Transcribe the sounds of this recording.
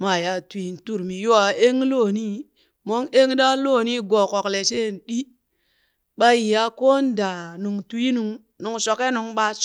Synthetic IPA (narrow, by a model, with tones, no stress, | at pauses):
ma˨ja˨tu˨i˨n˨tu˦ɾmi˨jo˦a˨e˦ŋlo˦˨ni˦ | mo˦ŋe˦ŋ˦da˦lo˦˨ni˦ɡo˨ko˨kle˨se˦˨nɗi˦ | ɓa˦ji˨ja˦ko˦n˦da˨nu˨ŋtu˨˦i˦nu˨ŋ | nu˨ŋso˨ke˦nu˨ŋɓa˦s